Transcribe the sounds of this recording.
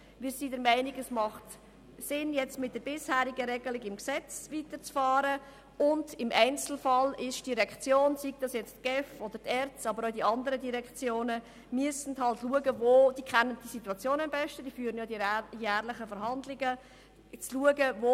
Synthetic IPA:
ʋɪsiːdəɾmæɪniɡəsmɑχt | sɪnjɛt͡stmɪt̚d̥əɾb̥ɪshæːɾiɡəɾɛɡəlɪɡɪmksɛt͡sʋiːtəɾt͡sfɑːɾə | ʊndɪmʔɛɪnt͡sl̩fɑlɪʃd̥iʁɛkt͡sjoːnsiɡ̚d̥ɑsjɛt͡stɡ̥ɛfɔd̥̪əɾtɛɾt͡sɑbəɾodiɑndəɾədiɾɛkt͡sjoːnə | myəsn̩dhɑltluəɡəvoːd̥iːkʰɛnːənd̥isituɑt͡sjoːnəmbɛʃtəd̥iːfyːɾənjɑdijæːʁlɪχəfəɾɦɑndlɪɡə | t͡sluəɡəvo

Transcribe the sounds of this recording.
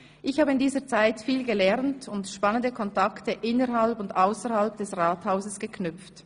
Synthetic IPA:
ʔɪçhaːbəɪndiːzət͡saɪtfiːlɡəlɛʁntʊntʃpanəndəkʰɔntaktəʔɪnəʁɦalpʊndaʊsəʁhalp̚d̥ɛsʁaːthaʊzəsɡ̥əkʰnʏp͡ft

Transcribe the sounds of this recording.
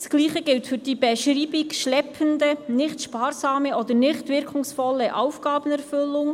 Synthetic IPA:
sɡ̥liːχəɡɪltfyːɾd̥iːbɛʃriːbɪkʃlɛpʰəndənɪχt̪ʃpɑːɾzɑːməʔɔd̪ənɪχtvɪɾkʰʊŋsfɔlːəʔaʊfɡ̥ɑːbənɛɾfɵlːʊŋ

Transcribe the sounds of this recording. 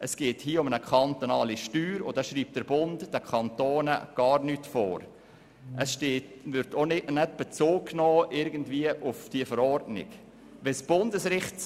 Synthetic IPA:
ʔəsɡ̥eːthiːəʊmənəkʰɑnt̪onɑːliʃtyːɾʊdɛʃɾiːp̚t̚d̥əɾb̥ʊndd̥əkʰɑntoːnəɡ̥ɑːɾnyːtfo̰ːɾ | ʔəsʃteːtvʏɾtʰonɪtnɛt̚b̥ɛt͡soːkːnɔːʔɪɾɡən̩dviːəʔʊfd̥iəfəɾɔɾdnɪ̰ɡ | ʋɛsb̥ʊndəsɾɪχt

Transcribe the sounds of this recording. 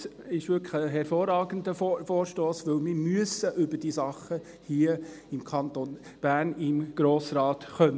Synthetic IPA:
s | ɪʃʋʏɾkʰəɦɛɾfoːɾɑːɡənd̪əfoːɾʃtoːsʋɵlmɪɾmyəsəʔʏbəd̥iːsɑχə | hiːəɪmkʰɑnton | b̥æːɾnɪmɡ̥ɾoːsrɑːt̪χœnə

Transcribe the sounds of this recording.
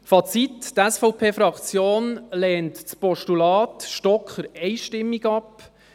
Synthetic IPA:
fɑt͡sittæsfɔʊpʰeːfɾɑkt͡sjoːnlɛːntt͡spɔʃtulɑːtʃtɔkχəɾɛɪʃtɪmːiɡɑp

